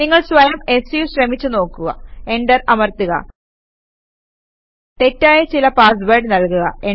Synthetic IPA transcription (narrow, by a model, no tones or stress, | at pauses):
niŋːɐɭsʋɐjɐme̞sijuɕrɐmit͡ɕːɨno̞ːkːuɣɐ̰e̞ɳɖɐrɐmɐrt̪iɣɐ̰ | t̪e̞tːaːjɐt͡ɕilɐpaːsbɐrɖɨnɐlkuɣɐe